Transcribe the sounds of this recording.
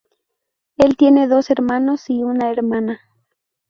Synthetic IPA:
e̞lt̪je̞neðo̞seɾmanosiunaeɾmana

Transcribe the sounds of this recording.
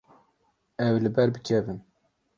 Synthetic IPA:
ɛwlɨbɛɾbɨkʰɛvɨn

